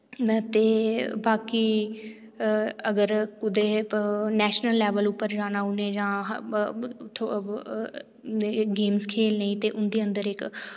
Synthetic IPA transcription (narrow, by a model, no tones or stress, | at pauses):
t̪eːbaːkiː | əɡəɾkʊd̪eːnɛːʃnəlːɛːʋəlʊpːəɾd͡ʒaːnaːʊneːd͡ʒãː | t̪ʰ | ɡeːmskʰeːlnəĩːt̪eːʔʊnd̪iːə̃nd̪əɾɪk